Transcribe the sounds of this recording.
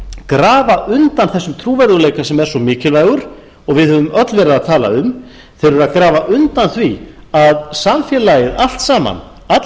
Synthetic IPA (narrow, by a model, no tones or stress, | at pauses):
kɾaːvaʔʏnt̪anθɛsːʏmt̪ʰɾuːvɛɾðʏleːjkasɛmɛɾ̥sɔmɪːcɪlvaːjɣʏɾ̥ | ɔɣvɪðhœːvʏmœt̪lvɛːɾɪðaðt̪ʰaːla̰ʏm | θeɾʏɾaðkɾaːvaʔʏnt̪anθviaðsamfjɛlajɪðal̥t̪saːma̰n | at̪